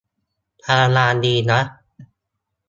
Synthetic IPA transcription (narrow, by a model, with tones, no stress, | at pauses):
ʔʰa˧a˧laː˧ndiː˧na˦˥